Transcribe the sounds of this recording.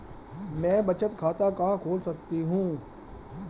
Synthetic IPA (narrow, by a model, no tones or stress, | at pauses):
mɛ̃ːbɐt͡ʃət̪kʰaːt̪akaɦãkʰoːlsɐk̚t̪iɦũː